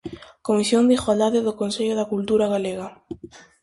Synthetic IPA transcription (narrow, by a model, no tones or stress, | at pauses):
komisjoŋd̪ixwalaðeðʊkonseʎʊðakult̪uɾaɣaleɣa